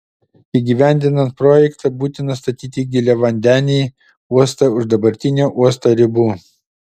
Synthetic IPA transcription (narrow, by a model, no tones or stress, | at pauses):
iːɡʲiʋʲæˑnʲd̪ʲɪnɐnt̪̚pɾoːjɛkt̪ɑbuːt̪ʲɪnɐst̪ɐt̪ʲiːt̪ʲiɡʲɪlʲɛʋɐnʲd̪ʲæːnʲeː | uɔst̪ɐʊʒd̪ɐbɐɾʲt̪ʲɪnʲuːʔuɔst̪oːɾʲɪbuː